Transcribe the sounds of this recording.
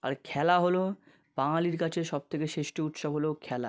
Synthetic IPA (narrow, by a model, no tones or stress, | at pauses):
a̰ɾkʰɛlaɦolo | b̥aŋaliɾkat͡ɕʰeʃɔb̚t̪ʰekeʃeʃʈeut̪ʃabɦolokʰɛla̰